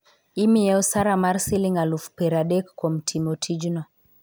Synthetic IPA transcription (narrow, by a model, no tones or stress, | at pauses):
imiɛɔsaɾamaɾsiliŋalufpɛɾaɗɛkːɔm̩tʰimɔtʰid͡ʒnɔ